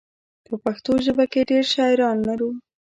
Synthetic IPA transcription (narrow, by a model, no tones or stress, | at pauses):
pəpaxt̪oʒəbakeɖeɾʃɑɪɾɑnːaɾu